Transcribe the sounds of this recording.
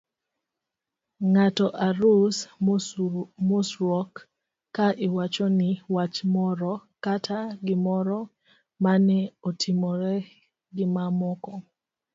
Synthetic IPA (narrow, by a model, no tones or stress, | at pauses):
ŋatɔʔaɾus | musɾɔkː | aʔɪwat͡ʃɔnɪwat͡ʃmɔɾɔkatʰaɡɪmɔɾɔ | manɛotʰɪmɔɾɛ | ɡɪmamɔkɔ